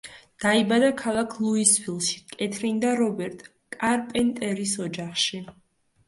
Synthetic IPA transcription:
d̪̥aibad̪akʰalˠakʰlˠuisfilˠʃi̥kʼɛt̪ʰɾind̪aɾɔbɛɾt̪ʼ | kʼaɾpʼɛnt̪ʼɛɾisɔd͡ʒaχʃi

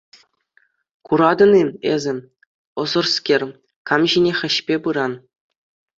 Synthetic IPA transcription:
kuɾɑd̪ɤ̆niezʲɘ̆ | ɤ̆zɤ̆rskʲerʲ | kɑmʑinʲeχʲɘ̆ɕpʲepɯɾɑn

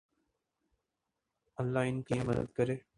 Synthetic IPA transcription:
ɐlːaːɪnkliːmɐd̪ə̰d̪̚kɐɾeː

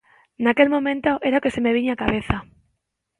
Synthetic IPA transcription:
nake̞lmõ̞mẽnt̪oʔeɾaokesemeβ̞iɲakaβeθa

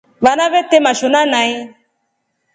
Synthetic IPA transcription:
vanãvɛtemãʃonãnãi

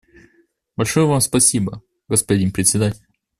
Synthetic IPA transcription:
bɐlʲʂojəvamspɐsʲibə | ɡəspɐdʲinpɾʲɪt̪ʲsʲɪd̪atʲɪlʲ

